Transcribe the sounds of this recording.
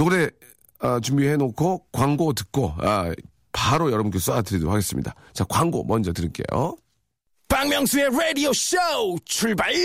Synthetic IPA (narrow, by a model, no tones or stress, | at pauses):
noɾe̞ | at͡ɕumbihe̞nokʰokwaŋɡotɯ̥k͈oa̰ | paɾojʌɾʌbunk͈es͈aatɯɾido̰haɡe̞s͈ɯmɲḭda | t͡ɕakwaŋɡo̰mʌnd͡ʑʌtɯɾiɭk͈e̞̰jo̰ | paŋmjʌŋsʰueɾedioɕowt͡ɕʰuɭbai